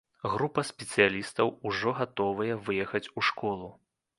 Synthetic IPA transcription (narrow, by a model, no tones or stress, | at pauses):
ɣɾupɐsʲpʲɛt̪sɨjalʲist̪ɐwuʐɔɣat̪ɔvɐjɛvɨjɛxɐt͡sʲuʂkɔlˠu